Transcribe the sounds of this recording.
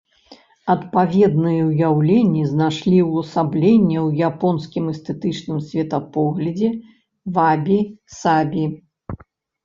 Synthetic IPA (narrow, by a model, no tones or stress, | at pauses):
ɐt̪pavʲɛd̪nɨjɐwjawlʲenʲːiznaʂlʲiwɐsablʲenʲːɛwjapɔnskʲimɛst̪ɛt̪ɨt͡ʂnɨmsʲvʲɛt̪apɔɣlʲɐd͡zʲɛ | vabʲisabʲi